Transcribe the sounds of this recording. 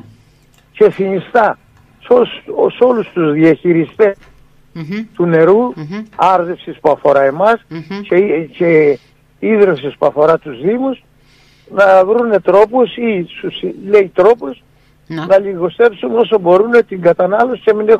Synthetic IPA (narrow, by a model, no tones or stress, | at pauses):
ce̞θinist̪ɐ | soso̞lust̪uzðiɐçiɾist̪e̞s | t̪une̞ɾuɐɾðefsispuɐfo̞ɾɐe̞mɐscece | iðɾefsispuɐfo̞ɾɐt̪uzðimus | nɐvɾune̞t̪ɾo̞posisusile̞it̪ɾo̞pos | nɐliɣo̞st̪e̞psuno̞sobo̞ɾunet̪iŋɡɐt̪ɐnɐlo̞si̥cemine